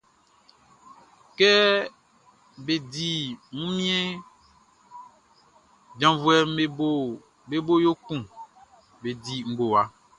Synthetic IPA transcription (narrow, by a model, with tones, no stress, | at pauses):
kɛ˦ | be˨di˨ŋũ˦mĩ˦ɛ˦ | d͡ʒã˨vu˨˦ɛ˨me˨bo˦˨ | be˦bo˦jo˦kũ˦˨ | be˨di˨ŋ̩˦ɡo˨wa˨